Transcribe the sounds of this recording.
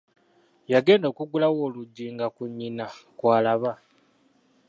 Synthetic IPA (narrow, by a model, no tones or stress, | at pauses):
jaɡe̞ːndo̞ːkuɡulawo̞ːluɟːiːŋɡakuɲːinakwaːlaβa